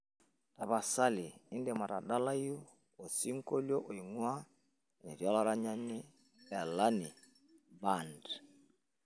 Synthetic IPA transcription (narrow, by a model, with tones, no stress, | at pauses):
ta˨βa˨sa˦li˨i˦ndɛ˨ma˨ɾa˨ɗa˦la˦ju˦ | o˨si˦ŋ̩˦kɔ˦ljɔ˦ʔɔ˨i˨ŋwa˦˨ | nɛ˨ɾja˦la˦ɾa˦ɲa˦ni˦ | ɛ˨la˦ni˨ | ba˨ndɛ˨